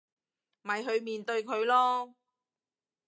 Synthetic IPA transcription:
mɐ˨jɦɵ˨˧ɥmiː˨nt̪ɵ˧ɥkʰɵ˨˧ɥlɔː˥

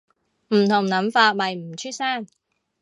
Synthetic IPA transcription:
m̩˨˩t̪ʰʊ˨˩ŋnɐ˨˥mfaː˧t̚mɐ˨˩jm̩˨˩t͡ɕʰyː˥t̚saː˥˩n

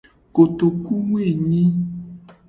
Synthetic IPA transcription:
ko˨t̪o˨ku˦ŋ˦e˦˨ɲĩ˦

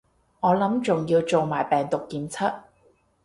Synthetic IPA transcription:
ŋɔː˨˧lɐ˨˥mt͡sʊ˨ŋjiː˧wt͡so˨wmaː˨˩jpɛː˨ŋt̪ʊ˨kːiː˨˧nt͡sʰɐ˥t̚

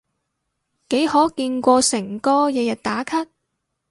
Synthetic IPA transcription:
ke˨˥jhɔː˨˥kiː˧nkʷɔː˧sɪ˨˩ŋkɔː˥jɛː˨˧jɐ˨t̚t̪aː˨˥kʰɐ˥t̚

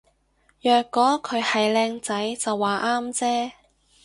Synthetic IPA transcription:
jœː˨kːɔː˨˥kʰɵ˨˧ɥhɐ˨jlɛː˧ŋt͡sɐ˨˥jt͡sɐ˨wːaː˨ʔaː˥mt͡sɛː˥

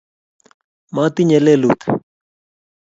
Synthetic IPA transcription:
ma˨t̪iɲe˨lelu˨t̪

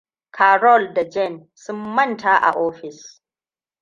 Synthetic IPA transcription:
kʰaː˨ɾɔ˦˨lda˨d͡ʒɛ˦˨n | sʊ˦mːɐ˦˨ntaː˦ʔa̰˨ʔoː˦ɸɪ˨s

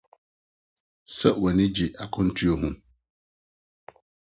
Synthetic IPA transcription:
sɛ˦wɔ˨nɪ̃˦d͡ʑi˨ʔa˨kʰʊ̃˦n̩˦tʰu˦o˦ɦũ˦

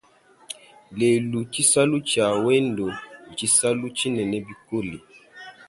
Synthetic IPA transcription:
le˨lu˨t͡ʃi˦sa˦lu˦t͡ʃa˨wɛ˦n˦do˨d͡ʒi˦sa˦lu˦t͡ʃi˦nɛ˨nɛ˦bi˦ko˦li˨

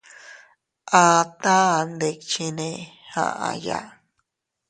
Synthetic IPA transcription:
ʔã˧t̪ã˦˨nd̪e˧˨k̚t͡ʃi˧nẽ˧hã̰˧ʔã̰˧ja̰˨

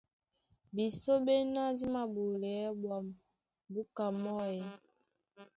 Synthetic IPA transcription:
bi˨so˦be˦na˦di˦ma˨ɓu˨lɛ˨˦bwa˨m | bu˦ka˨mɔ˦ɛ˨

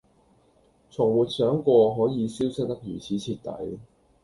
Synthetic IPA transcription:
t͡sʰʊ˨˩ŋwuː˨˩t̚sœː˨˥ŋkʷɔː˧ɦɔː˨˥jiː˨˧siː˥wsɪ˥k̚t̪ɐ˥k̚jyː˨˩t͡sʰiː˨˥t͡sʰiː˧t̚t̪ɐ̰˨˥j

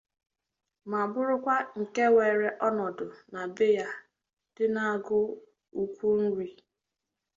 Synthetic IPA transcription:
ma˨bʊ˦ɾʊ˦kʷa˦ŋ̩˨ke˦weː˨ɾe˨ʔɔ˦nɔ˨dʊ˨na˨bɪ˦ja˦ | d̥ɪ˦na˦a˦ɡʊ˦ | u˦kʷu˦n̩˦ɾi˨

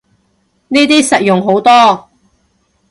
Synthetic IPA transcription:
niː˥t̪iː˥sɐ˨t̚jʊ˨ŋɦo˨˥wt̪ɔː˥

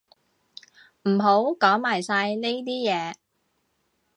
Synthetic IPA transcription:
m̩˨˩ɦo˨˥wkɔː˨˥ŋmaː˨˩jsaː˧jne˥jt̪̬iː˥jɛː˨˧

